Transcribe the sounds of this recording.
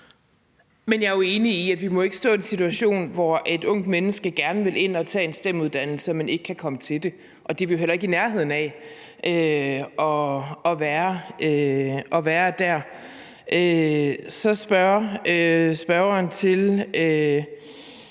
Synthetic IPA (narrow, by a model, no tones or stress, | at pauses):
menjɑ̈oe̝ːniːædʋimɒ̽e̝ɡ̥əsd̥ɔ̰ːe̝nsit͡sʰuæɕo̝̰ːnʋɒʔe̝d̥ɔ̽ŋ̰d̥menəsɡ̥əɡ̥æɐnəʋe̝lʔe̝n̰ɒ̽t͡sʰɛ̰ːe̝nsd̥em̰uðˠd̥ænl̩səmæne̝ɡ̥əkʰækʰɒ̽mət͡sʰe̝ld̥e̝ | ʔɒ̽d̥eʋejoɦel̰ɐe̝ɡ̥inæɐɦe̝ð̞̰ˠn̩æ | ʔøɒ̽ɒ̽ʋæːɐøʔɒ̽ʋæːɐd̥æɐ̰ | ʔøsɒ̽sb̥ɶøsb̥ɶɐɐnt͡sʰe̝lø